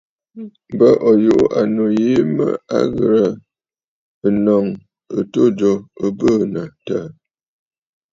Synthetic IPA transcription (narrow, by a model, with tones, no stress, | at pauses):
bə˦ʔɔ˨ju˦˨ʔu˦ʔa˨no˨je˦mə̰˦a̰˦ɣə̰˨ɾə˨ | ə˨nɔ˨ŋ | ə˨to˦d͡ʒo˨ə˦bəː˦˨nə˨tə˦˨